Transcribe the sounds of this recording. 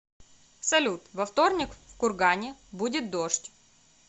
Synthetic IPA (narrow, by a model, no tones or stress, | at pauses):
sɐlʲut̪vɐft̪o̞rnʲɪkfkʊrɡanʲɪbudʲɪt̪̚d̪oʂtʲ